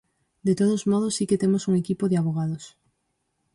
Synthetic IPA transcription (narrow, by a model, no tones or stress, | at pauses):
d̪et̪oð̞ozmoð̞osːiket̪emosuŋekipoðeaβ̞oɣ̞aðos